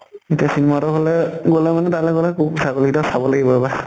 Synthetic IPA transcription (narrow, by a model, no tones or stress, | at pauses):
etiasinematɔɦolɛɡolɛmanɛtalɛɡolɛkʰubsaɡoliitɔsabɔlaɡibɔɛba